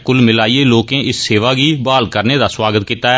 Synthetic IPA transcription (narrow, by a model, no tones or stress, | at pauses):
kʊlmɪlaːieːloːkẽːʔɪsseːʋaːɡiːbaːlkəɾneːd̪aːswaːɡət̪kiːt̪aːɛ